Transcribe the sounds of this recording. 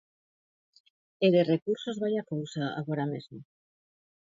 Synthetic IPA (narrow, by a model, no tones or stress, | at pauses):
eðerekuɾso̞zβaʎakowsaa̰ɣ̞oɾamezmo